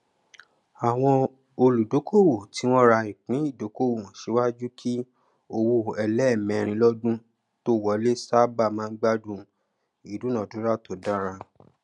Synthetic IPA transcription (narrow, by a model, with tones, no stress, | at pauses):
a˨w̃ɔ̃˧ | o˧lu˨do˨˦kʰo˦˨wo˨ti˨˦w̃ɔ̃˦ɾa˧i˨k͡pĩ˨˦i˦˨do˨˦ko˦wõ˨ʃe˨˦wa˦d͡ʒu˦kʰi˦ | o˧wo˧ɛ˧lɛ˦˨mɛ̃˨˧ɾ̃ĩ˧˦lɔ˦dũ˦ | to˦˨wɔ˨˦le˦sa˦ba˦˨mãː˦ɡ͡ba˦dũ˦ | i˨dũ˨˦nã˨du˨˦ɾa˦to˨da˦ɾa˧